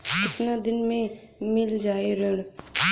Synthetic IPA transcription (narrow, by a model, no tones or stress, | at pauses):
kɪt̪nad̪ɪnmẽ | mɪld͡ʒaːeɾəɽ